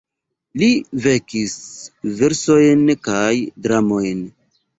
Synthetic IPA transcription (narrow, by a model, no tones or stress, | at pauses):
live̞kisve̞ɾso̞jnkajdɾamo̞jn